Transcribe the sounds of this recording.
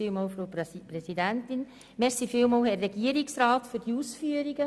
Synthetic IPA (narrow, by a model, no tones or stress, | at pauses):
iːlmoːlfɾopɾɛsidæntɪn | mɛɾsifɪːlmoːlhɛrːɛɡ̥iəɾiksɾaːtfyɾd̥iusfyəɾiɡə